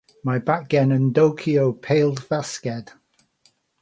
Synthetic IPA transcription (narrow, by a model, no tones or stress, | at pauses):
maɪbak̚ɡ̥ɛnə̃ndoʊkʰioʊpʰeɪlˠdfaskɛd̥